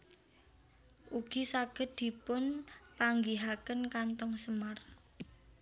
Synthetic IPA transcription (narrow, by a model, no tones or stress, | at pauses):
ʔuɡ̥isaɡ̥ə̤t̪̚d̪̥i̤pʊnpaŋɡiɦakənkant̪ɔŋsəmar